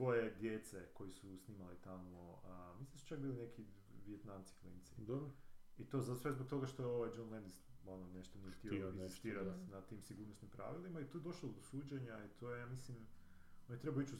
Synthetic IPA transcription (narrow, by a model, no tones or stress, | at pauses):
sʋo̞je̞d̪jet̪se̞ko̞jisusniːmalit̪amoəmislimd̪su̥t͡ʃak̚biːline̞kʰi | ʋijet̪namt̪si̥flḭnt̪sid̪obit̪o̞zasʋezbok̚t̪oɡaʃt̪o̞jeo̞ʋajd͡ʒonlend̪isononeʃt̪oniext̪ioinist̪iːɾat̪nat̪iːmsiɡuːɾnosnimpɾa̰ʋilimait̪ojed̪oʃlod̪osuːd͡ʑeɲait̪ʰojejaːmislim | onet̪ɾebajoit͡ɕu